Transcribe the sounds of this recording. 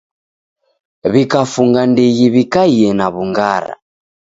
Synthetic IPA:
βikafuŋɡandiɣiβikaiɛnaβuŋɡaɾa̰

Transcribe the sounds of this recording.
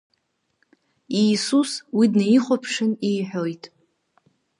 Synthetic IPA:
iːsuswidnaiχʷopʰʂɨnijħʷᶣojtʼ

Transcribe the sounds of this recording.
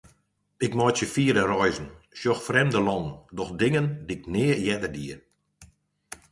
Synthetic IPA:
ɪkmɔjtjəfiəɾərɔjzən̩sjɔxfrɛmdəlɔŋdɔxdɪŋəndiknɪːəjɛdərdiər

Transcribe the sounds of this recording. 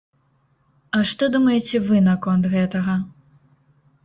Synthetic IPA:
ɐʂt̪ɔd̪umɐjɛt͡sʲɛvɨnɐkɔnt̪ɣɛt̪ɐɣɐ

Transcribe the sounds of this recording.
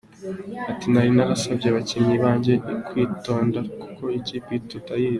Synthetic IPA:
atinaɾinaɾasabɟeβaciɲiβaːɲɟekwiːto̞ːndakuko̞iciːpitotajiː

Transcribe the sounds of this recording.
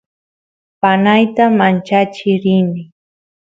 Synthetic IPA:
panajt̪amant͡ʃat͡ʃɪɾɪnɪ

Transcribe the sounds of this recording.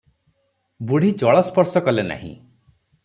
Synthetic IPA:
buɽ̤id͡ʒɔɭɔspɔɾsɔkɔlena̰ɦḭ̃

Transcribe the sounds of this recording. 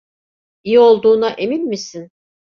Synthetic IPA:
ijio̞lˠd̪uːnaʔe̞minmisin

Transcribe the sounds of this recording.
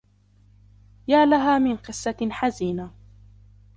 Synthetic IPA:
jaːlaɦaːmɪnqɨsːɑħaziːna

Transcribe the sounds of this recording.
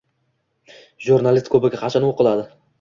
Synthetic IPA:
ʒuɾnalist̪̚kʰɵbɪɡʲaqʰɑt͡ʃʰanoqɨlˠad̪ɪ

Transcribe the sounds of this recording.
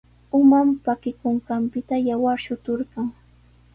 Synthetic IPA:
ʊmampakɪkʊɴɢɑmpɪt̪ajawaɾʃʊt̪ʊɾɢɑŋ

